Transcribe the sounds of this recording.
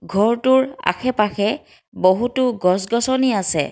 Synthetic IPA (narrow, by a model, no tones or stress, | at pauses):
ɡʱɔɹtʊɹa̰xɛpaxɛ | boɦutʊɡɔsɡɔsɔniasɛ̰